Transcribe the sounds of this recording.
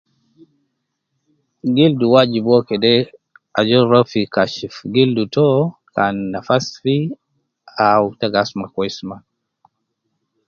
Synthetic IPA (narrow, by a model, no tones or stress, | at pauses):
ɡilduwad͡ʒibɔkɛdɛ | a̰d͡ʒɔɾɔfikaʃifɡildutɔkanːafasfi | autaɡasmakwɔisma